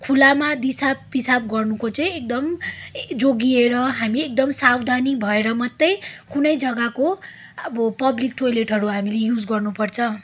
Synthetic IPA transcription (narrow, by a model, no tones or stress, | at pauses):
kʰulamad̪isabpisab̚ɡʌrnukot͡sʌĩek̚d̪ʌmd͡zoɡieɾʌɦamiek̚d̪ʌmsawd̪ʱanibʱʌeɾʌmʌt̪ːʌjkunʌjd͡zʌɡako | ʌbʌpʌblik̚ʈojleʈɦʌɾuɦamilejud͡zɡʌrnupʌrt͡sʰʌ̃